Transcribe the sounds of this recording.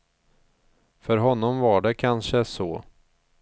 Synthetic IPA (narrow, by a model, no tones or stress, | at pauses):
fœɾɦɔnːɔmvaɖɛkʰanʂəsɔː